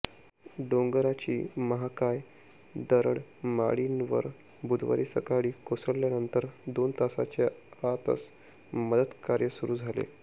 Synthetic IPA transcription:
ɖoŋɡɾat͡ɕiːməɦakaj | d̪əɾəɽma̰ɭinʋə̰ɾ | bud̪ʋa̰ɾiːsəkaɽiːkosəɽljanənt̪əɾd̪ont̪asa̰t͡ɕaat̪ə̰s | məd̪əd̪kaɾjəsuɾuːd͡zʱalḛ

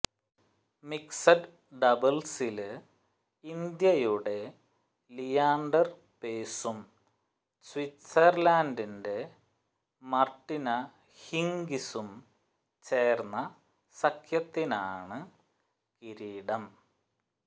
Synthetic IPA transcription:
miksɐɖ | ɖɐbɐlsil | ind̪jɐjuɽe̞ | lijaːɳɖɐr | peːsum | switːɐrlaːndinde̞ | mɐrʈːinɐ | hiŋɡisum | t͡ɕe̞ːrnːɐ | sɐkʰjɐt̪ːina̰ːɳɨ | kiɾiːɽɐm

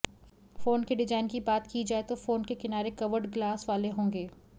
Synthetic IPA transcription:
foːnkeɖɪd͡ʒaːɪnkibaːt̪kid͡ʒaːet̪ofoːnkekɪnaːɾekɐʋəɾɖɡlaːsʋaːleɦõːŋɡeː

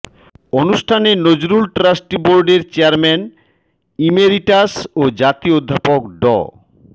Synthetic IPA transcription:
onuʃʈʰanenod͡ʑɾulʈɾasʈiboɾɖeɾt͡ɕeaɾmɛn | imeɾiʈasod͡ʑat̪iood̪ʱːapokɖɔ̰

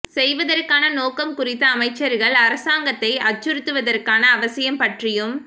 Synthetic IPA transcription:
sɛjʋɐðɐrkaːnɐnoːkɐmkʊrɪt̪ːɐːmɐɪt͡ʃːɐɾɣɐɭɐɾɐsaːŋɡɐt̪ːɐɪɐt͡ʃːɯɾɯt̪ːɯʋɐðɐrkaːnɐːʋɐsɪjɐmpɐʈrɪjɯm

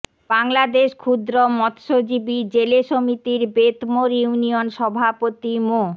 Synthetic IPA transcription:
baŋlad̪eʃkʰud̪ɾomɔt̪ʃod͡ʑibid͡ʑeleʃomit̪iɾbet̪moɾiunionʃɔbʱapot̪imo

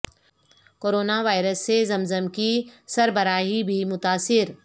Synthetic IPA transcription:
koːɾoːnaʋaːɪɾəsːezɐmzəmkisɐɾbɐɾaːɦibʱimʊt̪aːsɪɾ

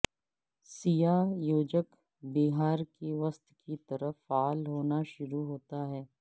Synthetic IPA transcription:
sijajoːd͡ʒək | biɦaːɾkeʋəst̪kit̪ɐɾəfːaːlɦoːnaʃʊɾuɦoːt̪aɦɛː

